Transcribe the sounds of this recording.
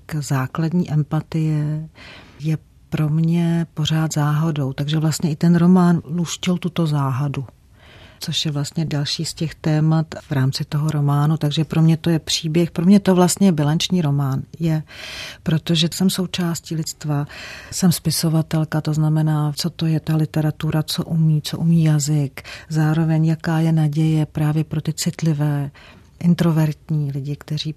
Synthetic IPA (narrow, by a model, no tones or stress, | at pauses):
kzaːkladɲiːʔɛmpat̪ɪjɛ | jɛ | pɾo̞mɲɛpo̞r̝aːt̪zaːɦo̞do̞wt̪aɡʒɛvlast̪ɲɛʔɪt̪ɛnɾo̞maːnluscɪlt̪ut̪o̞zaːɦadu | t͡so̞ʃjɛvlast̪ɲɛdalʃiːscɛxt̪ɛːmat̪vɾaːmt͡sɪt̪oɦo̞ɾo̞maːnut̪aɡʒɛpɾʔo̞mɲɛt̪o̞jɛpr̝̥iːbjɛxpɾo̞mɲɛt̪ovlast̪ɲɛjɛbɪlant͡ʃɲiːɾo̞maːnjɛpɾo̞t̪o̞ʒɛsɛmso̞wt͡ʃaːsciːlɪt͡st̪vasɛmspɪso̞vat̪ɛlkat̪o̞znamɛnaːt͡so̞t̪o̞jɛt̪alɪt̪ɛɾat̪uɾat͡so̞ʔumiːt͡so̞ʔumiːjazɪkzaːɾo̞vɛɲjakaːjɛnaɟɛjɛpɾaːvjɛpɾo̞t̪ɪt͡sɪt̪lɪvɛː | ʔɪnt̪ɾo̞vɛɾt̪ɲiːlɪɟɪkt̪ɛr̝iː